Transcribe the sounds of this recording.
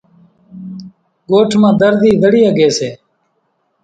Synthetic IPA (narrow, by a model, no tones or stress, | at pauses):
ɡoːʈʰmãːd̪əɾd̪iːd̪əɽiːəɡeːseː